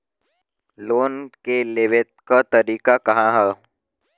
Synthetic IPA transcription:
loːnkeleːʋet̪̚kat̪ɐɾiːkakɐɦãɦɛː

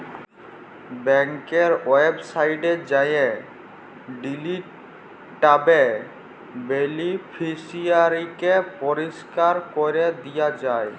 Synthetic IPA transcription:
bɛŋkeɾwebsaiʈed͡ʑaje | ɖiliʈ | ʈabe | belipʰisiaɾikepɔɾiskaɾkɔɾed̪ijad͡ʑae

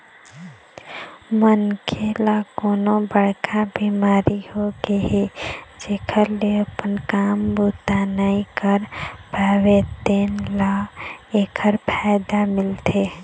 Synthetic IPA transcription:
mənkʰelakonobəɽkʰabimaɾihoɡeɦed͡ʒekʰəɾleəpənkambut̪anəikəɾpaʋet̪enlaekʰəɾpʰaɪd̪amɪlt̪ʰe

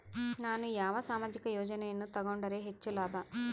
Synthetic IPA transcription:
naːnujaːʋɐsaːmaːd͡ʒikɐjɔːd͡ʒɐnejɐnːut̪ɐɡoɳɖɐɾeːɦet͡ʃːulaːb̪a

